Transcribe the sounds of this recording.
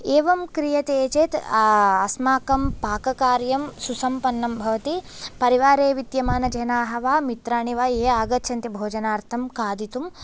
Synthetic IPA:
eːʋɐmkɾijɐt̪eːt͡ʃeːt̪ɐsmaːkɐmpaːkɐkaːɾjɐmsusɐmpɐnːɐmbʱɐʋɐt̪ipɐɾiʋaːɾeːʋid̪jɐmaːnɐd͡ʒɐnaːɦɐʋaːmit̪ɾaːɳiʋaːeːaːɡɐt̪ʃʰɐnt̪ɐbʱoːd͡ʒɐnaːɾt̪ʰɐmkaːd̪ʱit̪um

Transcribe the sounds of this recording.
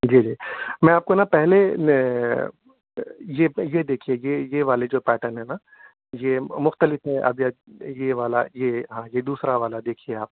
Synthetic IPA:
d͡ʒiːd͡ʒiːmɛ̃aːp̚konapɛɦle | jejed̪eːkʰiejejeʋaːled͡ʒoːpɛːʈənɦɛna | jemʊxt̪əlɪfɦɛʔɐ̰bijajeʋaːla̰jeɦãjed̪uːsɾaʋaːlad̪eːkʰieaːp̚

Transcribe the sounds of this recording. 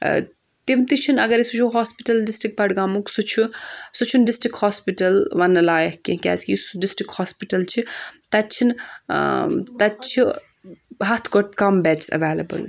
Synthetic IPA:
t̪imt̪it͡ʃʰinɐɡɐɾisut͡ʃʰuɦoːspiʈɐlɖisʈɾik̚bɐɽɡaːmuksut͡ʃʰusut͡ʃʰunɖisʈɾik̚ʈhɔːspiʈɐlʋɐnːɐlaːjɐhkĩkʲa̰ːskʲisɖisʈɾikhoːspiʈɐlt͡ʃʰit̪ɐt͡ʃʰin | t̪ɐt͡ʃʰi | ɦat̪ʰkoɾt̪kɐmbɛʈsɐ̰ʋeːlɐbɐ̰l

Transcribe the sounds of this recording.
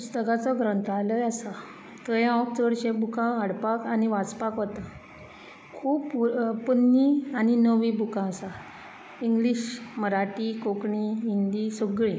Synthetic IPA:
pust̪əɡat͡sɔɡɾənt̪aləjasa | t̪əjãɔkt͡sʋəɾɕẽbukãaɽpakaniʋat͡spakʋət̪ã | kʰuːpːənːianinəʋĩbukãəsa | iŋɡliɕməɾaʈikokɳiɦind̪isəɡɭĩ

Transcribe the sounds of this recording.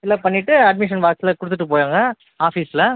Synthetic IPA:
ɪlːɐpɐɳːɪʈːɯɐɖ̚mɪʂɐnʋaːksɪlɐkʊɽɯt̪ːɯʈːɯpoːjaːŋɡɐ | aːfiːsɪlɐ

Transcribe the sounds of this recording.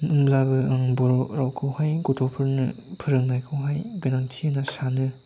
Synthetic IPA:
ɯmlabɯaŋbɔɾɔɾawkʰɯwhajɡɔtʰɔpʰɯɾnɯ̰pʰɯɾɯŋnajkʰɯwɦajɡaɾantʰiɯnasanɯ

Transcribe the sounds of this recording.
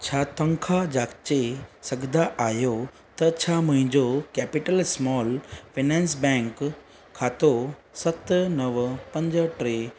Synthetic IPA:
t͡ɕʰaːt̪ɐ̃ŋkʰad͡ʑaːkt͡ɕesɐɡʱd̪aʔaːjo | t̪ɐt͡ɕʰaːmʊ̃ɦɪ̃ɲd͡ʑokɛːpɪʈəlsmɔːlfʰinɛ̃ːnsbɛ̃ːŋkʰː | aːt̪osɐt̪nɐʋpɐ̃ɲd͡ʑʈɾe

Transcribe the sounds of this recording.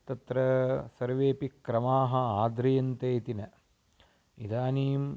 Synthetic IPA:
t̪ɐt̪ɾɐsɐɾʋeːpikːɾɐmaːɦɐ̆aːd̪ɾɐjɐnt̪eːt̪inɐ | id̪aːniːm

